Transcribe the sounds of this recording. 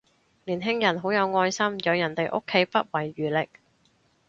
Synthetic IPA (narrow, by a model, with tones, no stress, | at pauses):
liː˨˩nɦɪ˥ŋjɐ˨˩nɦo˨˥wjɐ˨˧wŋɔː˧jsɐ˥mjɐ˨˧wjɐ˨˩nt̪e˨jʔo̰˥kʰːe˨˥jpɐ˥t̚wɐ˨˩jɥyː˨˩lɪ˨k̚